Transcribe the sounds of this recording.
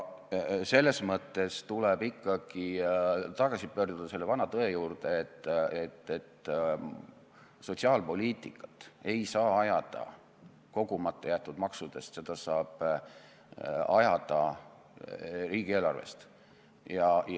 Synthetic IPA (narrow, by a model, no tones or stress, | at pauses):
se̞lːe̞smɤt̪ːe̞st̪ulebikːɑɡ̥it̪ɑɡ̥ɑsipø̞ːrd̪ud̪̥ɑse̞lːevɑnɑt̪ɤe̞juːrd̪̥e̞et̪ːet̪ːet̪ː | so̞t̪ʲsiɑːlpo̞lʲiːt̪ˑikːˑɑ̥t̪ːˑe̞jsɑːɑjɑd̪̥ɑ̰ | ko̞ɡ̥umɑt̪ːˑejæt̪ːˑud̪̥mɑksud̪̥e̞st̪se̞d̪̥ɑsɑːb̥ | ɑjɑd̪̥ɑ | riːɡ̥ie̞ːlɑrve̞̰st̪ | jɑj